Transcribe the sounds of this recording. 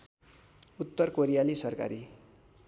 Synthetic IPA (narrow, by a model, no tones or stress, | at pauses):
ut̪ːʌrkoɾijalisʌrka̰ɾi